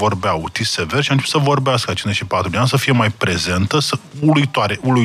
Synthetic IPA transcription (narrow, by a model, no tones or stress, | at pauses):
o̞rbeaut̪iseverʃiant͡ʃeput̪səvo̞rbeaskət͡ʃinzeʃipat̪ɾud̪eansəfije̞majpɾe̞ze̞nt̪əsəuluit̪oaɾeulu